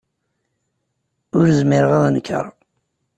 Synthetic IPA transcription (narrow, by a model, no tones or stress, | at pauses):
ʊɾzmiɾəʁæðˤnəkʰːə̰ɾˤ